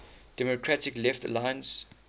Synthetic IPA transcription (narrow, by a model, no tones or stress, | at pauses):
d̥ɛmokʰɹatɪklɛftə̰lãɪə̃ns